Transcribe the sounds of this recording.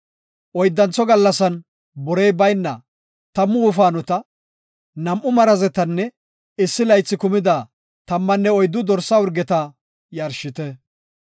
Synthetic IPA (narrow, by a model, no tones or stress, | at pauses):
ʔɔjd̪ːɐnt͡sːɔɡɐlːɐsɐn | bɔɾɛjbɐjnːɐ | t̪ɐmːʊːfaːnʊt̪ɐ | nɐmʔʊmɐɾɐzɛt̪ɐnːɛ | ɪsːɪlɐjt͡sːɪkʊmɪd̪aː | t̪ɐmːɐnːɛɔjd̪ːʊd̪ɔɾsɐʊɾɡɛt̪ɐ | jɐɾʃɪt̪ɛ